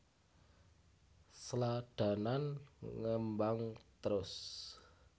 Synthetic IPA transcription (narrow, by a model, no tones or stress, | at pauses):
slaɖ̪̥a̤nanŋəmbaŋt̪əɾʊs